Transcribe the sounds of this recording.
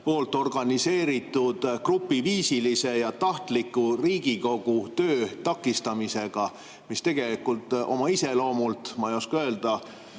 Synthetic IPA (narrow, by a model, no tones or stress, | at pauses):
po̞ːlt̪ˑo̞rɡ̥ɑnise̞ːɾit̪ːˑud̪̥krupːˑiviːsilise̞jɑt̪ɑht̪likːˑuriːɡ̥iko̞ɡ̥ut̪ø̞ːt̪ɑkːˑist̪ɑmise̞ɡ̥ɑ | mist̪e̞ɡ̥e̞likːult̪ːˑo̞̰mɑise̞lo̞ːmult̪mɑjoskø̞ːld̪̥ɑ